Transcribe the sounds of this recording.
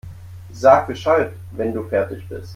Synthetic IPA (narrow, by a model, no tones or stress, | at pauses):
zaːk̚b̥əʃalt | vɛnduːfɛɐtɪçb̥ɪ̰st